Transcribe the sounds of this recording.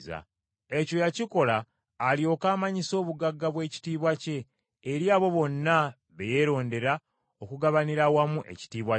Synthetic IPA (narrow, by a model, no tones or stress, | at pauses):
za̰ | e̞co̞jaciko̞laː | lio̞ːkaːmaɲiso̞ːβuɡaɡːaβwe̞ːci̥tiːβwace̞ː | ɾiaːβo̞βo̞nːa | βe̞je̞ɾo̞ːnde̞ɾa | okuɡaβaniɾawamuʔe̞̰ci̥tiːβwa